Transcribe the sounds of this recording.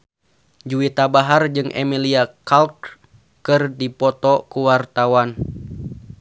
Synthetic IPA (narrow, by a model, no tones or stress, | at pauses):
d͡ʒuit̪abaɦard͡ʒɨŋʔɛ̰miliakalk | kɨrdipɔt̪ɔkuwart̪awan